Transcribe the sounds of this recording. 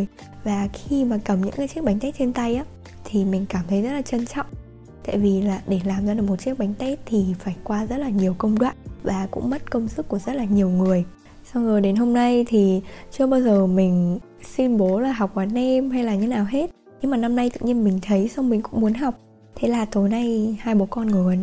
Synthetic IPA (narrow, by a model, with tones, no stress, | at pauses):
j | vaː˨˩xi˧maː˨˩kə˨˩mɲɨ̰˧˥kaː˨˦jt͡ɕi˦˥ək̚ɓa˨˦ŋt̪ɛ˦˥t̚t͡ɕe˧nt̪a˧jʔaː˨˦ | t̪ʰi˨˩mï˨˩ŋ̟kaː˧˩mt̪ʰə˨˦jzə˦˥t̚laː˨˩t͡ɕə˧nt͡ɕɔ̰˧˨wŋ͡m | t̪a̰ː˧˨jvi˨˩laː˨˩ɗe˧˩laː˨˩mzaː˧ɗɨ˨˩k̚mo˨˩t̚t͡ɕi˦˥ək̚ɓa˨˦jŋ̟t̪ɛ˦˥t̚t̪ʰi˨˩faː˧˩jkwaː˧zə˦˥t̚laː˨˩ɲi˨˩əwkə˧wŋ͡mɗwa̰ː˧˨nvaː˨˩kʊ̰˧˥ŋ͡mmə˦˥t̚kə˧wŋ͡msɨ˦˥kːu˧˩əzə˦˥t̚laː˨˩ɲi˨˩əwŋɨ˨˩əj | sa˧wzoː˨˩jɗe˨˦nɦo˧mna˧jt̪ʰi˨˩t͡ɕɨ˧əɓaː˧wzəː˨˩mï˨˩ŋ̟ | swi˧nɓo˨˦laː˨˩ɦa˨˩wk͡p̚vaː˨˩nɛ˧mɦa˧jlaː˨˩ɲə˨˦˥naː˨˩wɦe˦˥t̚ | ɲɨ˧ŋmaː˨˩na˧mna˧jt̪ɨ̰˧˨ʔɲi˧ənmï˨˩ŋ̟t̪ʰə˨˦jsa˧wŋ͡mmï˨˩ŋ̟kʊ̰˧˥ŋ͡mmu˨˦ənɦa˨˩wk͡p̚ | t̪ʰe˨˦laː˨˩t̪o˨˦jna˧jhaː˧jɓo˨˦kɔ˧nŋɨ˨˩ə˨˩˦n